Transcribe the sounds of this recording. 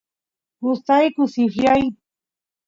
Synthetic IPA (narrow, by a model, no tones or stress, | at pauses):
hʊst̪ajkʊsɪxʎaj